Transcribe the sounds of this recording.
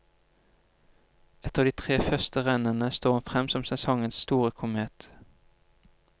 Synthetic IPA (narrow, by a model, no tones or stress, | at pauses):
ɛt̪əʁd̪iːt̪ʰʁeːfœʁst̪əʁɛnənəst̪oːʁhʊnfʁɛmsɔmsɛsɔŋənsst̪uːʁəkʰʊmeːt̪